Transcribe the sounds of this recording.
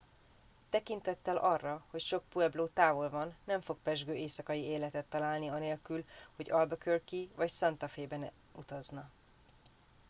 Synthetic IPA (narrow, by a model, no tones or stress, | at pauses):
t̪ɛkint̪ɛt̪ːɛlɒrːɒho̞cʃo̞k̚puɛbloːt̪aːvo̞lvɒnːɛɱfo̞k̚pɛʒɡøːeːsɒkɒjieːlɛt̪ɛt̪ːɒlaːlniɒneːlkylho̞ɟɒlbɒkørkivɒcsɒnt̪ɒfeːbɛn | ut̪ɒznɒ